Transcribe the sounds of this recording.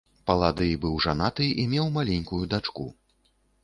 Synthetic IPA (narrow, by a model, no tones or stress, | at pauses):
pɐlˠad̪ɨbɨwʐanat̪ɨʔimʲɛwmalʲenʲkujud̪at͡ʂkṵ